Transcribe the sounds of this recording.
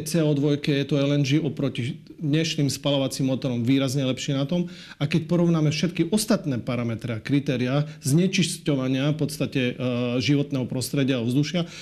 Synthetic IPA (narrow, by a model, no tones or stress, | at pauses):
t͡sɛɔd̪ʋɔjkɛjɛt̪ɔɛlɛnd͡ʒiʔɔpɾɔci | d̪ɲɛʃniːmspalɔʋat͡simːɔt̪ɔɾɔmʋiːɾazɲɛlɛpʃɪɛnat̪ɔm | akɛcpɔɾɔʋʊnaːmɛfʃɛt̪kiʔɔst̪at̪nɛːpaɾamɛt̪ɾɛakɾit̪ɛːɾiazɲɛt͡ʃiscɔʋaɲɪafpɔt̪st̪acɛʒiʋɔt̪nɛːɦɔpɾɔst̪ɾɛɟɪaɔvzd̪uʃɪa